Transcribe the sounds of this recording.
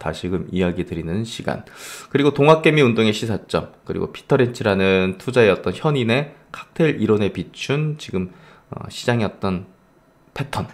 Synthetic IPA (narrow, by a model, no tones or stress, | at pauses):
taɕʰiɡɯmijaɡitɯɾinɯnɕʰiɡa̰nkɯɾiɡotoŋɦak͈e̞miundoŋe̞ɕʰisʰat͡ɕ͈ʌ̰mkɯɾḭɡo̰pʰi̥tʰʌɾent͡ɕʰiɾanɯntʰud͡ʑae̞ʌt̚t͈ʌnçjʌnine̞kʰḁk̚tʰe̞ɾiɾone̞pit͡ɕʰunt͡ɕiɡɯm | ʌ̰ɕʰid͡ʑaŋiʌt̚t͈ʌn | pʰe̞tʰʌn